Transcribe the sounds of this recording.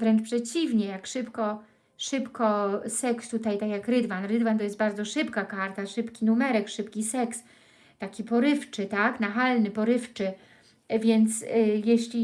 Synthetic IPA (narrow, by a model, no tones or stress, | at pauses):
vɾɛnt͡ʂpʂɛt͡ɕivɲɛjakʂɘpkɔ | ʂɘpkɔsɛkst̪ut̪ajt̪akʲjakɾɘd̪vanɾɘd̪vant̪ɔjɛst̪baɾd̪zɔʂɘpkakaɾt̪aʂɘpkʲinumɛɾɛkʂɘpkʲisɛks | t̪akʲipɔɾɘft͡ʂɘt̪aknaxalnɘpɔɾɘft͡ʂɘ | vʲjɛnt̪sjeɕlʲi